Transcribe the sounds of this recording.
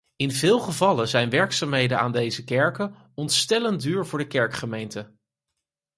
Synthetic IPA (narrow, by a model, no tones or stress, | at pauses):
ɪnvɪːlˠχəvɑləzɛjnʋɛɹksaːmɦejdəna̰ːndejzəkɛɹkə | ɔntstɛləndyːɹvʊːɹdəkɛɹkχəmejntə